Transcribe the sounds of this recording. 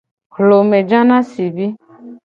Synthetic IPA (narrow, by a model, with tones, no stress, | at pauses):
hlo˨me˨d͡ʒã˦nã˦si˨bi˦